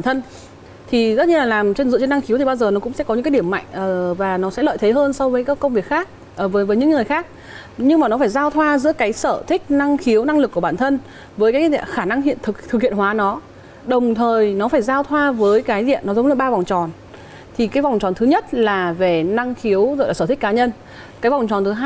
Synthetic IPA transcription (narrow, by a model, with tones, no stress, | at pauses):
ɓaː˧˩nt̪ʰə˧n | t̪ʰi˨˩zə˦˥t̚ɲɨ˧laː˨˩laː˨˩mt͡ɕe˧nzɨ̰˧˨t͡ɕe˧nːa˧ŋxi˨˦wt̪ʰi˨˩ɓaː˧wzəː˨˩nɔ˨˦kʊ̰˧˥ŋ͡msɛ̰˧˥kɔ˨˦ɲɨ̰˧˥kːa˨˦jɗi˧˩əmːa̰˧˨jŋ̟ʔəː˨˩vaː˨˩nɔ˨˦sɛ̰˧˥lə̰ː˧˨jt̪ʰe˨˦ɦəː˧nsɔ˧wvəː˨˦jkaː˨˦˥kːə˧wŋ͡mvi˨˩ək̚xaː˦˥k̚ | ʔəː˧˩vəː˨˦vəː˨˦jɲɨ̰˧˥ŋːɨ˨˩əjxaː˦˥k̚ | ɲɨ˧ŋmaː˨˩nɔ˨˦faː˧˩jzaː˧wt̪ʰwaː˧zɨ̰˧˥əkaː˨˦jsəː˧˩t̪ʰï˦˥k̟̚na˧ŋxi˨˦əwna˧ŋlɨ˨˩kːu˧˩ɓaː˧˩nt̪ʰə˧n | vəː˨˦jkaː˨˦˧zḭ˧˨xaː˧˩na˧ŋɦḭ˧˨ənt̪ʰɨ˨˩kt̪ʰɨ˨˩k̚hḭ˧˨ə˨nɦwaː˨˦nɔ˨˦ | ɗə˨˩wŋ͡mt̪ʰəː˨˩jnɔ˨˦faː˧˩jzaː˧wt̪ʰwaː˧vəː˨˦jkaː˨˦jzḭ˧˨ənːɔ˨˦zə˨˦ŋ͡mləː˨˩ɓaː˧va˨˩wŋ͡mt͡ɕɔ˨˩n | t̪ʰi˨˩kaː˨˦jva˨˩wŋ͡mt͡ɕɔ˨˩nt̪ʰɨ˨˦ɲə˦˥t̚laː˨˩ve˨˩na˧ŋxi˨˦əwzo̰˧˨ja˨˩səː˧˩t̪ʰï˦˥k̚aː˨˦ɲə˧n | kaː˨˦jva˨˩wŋ͡mt͡ɕɔ˨˩nt̪ʰɨ˨˦ɦaː˧